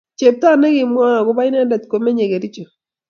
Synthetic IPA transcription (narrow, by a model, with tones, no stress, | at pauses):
t͡ʃe˨p̚t̪a˦˨nɛ˦ɡɪ˨mwa˦ŋa˨ɡʊ˨˦ba˦ɪ˦n˦a˦da˨t̪ko˨me˦ɲe˨ɡe˨ɾi˦t͡ʃo˨